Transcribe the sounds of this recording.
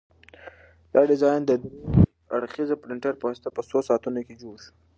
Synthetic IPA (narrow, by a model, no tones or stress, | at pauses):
d̪̥ɑɖɪzɑjnd̪ə | aɽxizapɾɪɳʈaɾpəwast̪apəsosɑːt̪unoked͡ʒoɽʃu̥